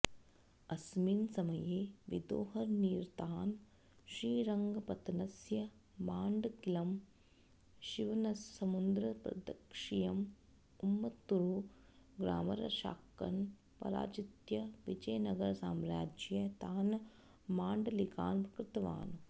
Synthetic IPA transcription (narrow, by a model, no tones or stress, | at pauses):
ɐsminsɐmɐjeːʋḭd̪o̰ːɦɐɾniːɾt̪aːn | ʃɾiːɾɐŋɡɐpɐt̪nɐsjɐ | maːɳɖɡilɐm | ʃiʋɐnɐsɐmund̪ɾɐpɾɐ̰d̪ɐkʂijɐm | umːɐt̪ːuɾu | ɡɾa̰ːmɐɾɐ̰ʃa̰ːkːɐ̰n | pɐ̰ɾa̰ːt͡ʃit̪jɐʋid͡ʒɐjnɐɡɐɾsaːmɾaːd͡ʒjɐt̪aːn | maːɳɖɐlika̰ːnpɾɐkɾɪt̪ɐʋa̰ːn